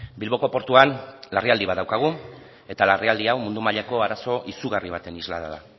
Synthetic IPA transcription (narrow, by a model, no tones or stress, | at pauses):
bilβo̞ko̞po̞ɾt̪uanlariald̪iβaðawkaɣ̞u | e̞t̪alariald̪iawmund̪umaʎako̞aɾaso̞ʔisuɣariβ̞at̪e̞nizla̰ða̰ða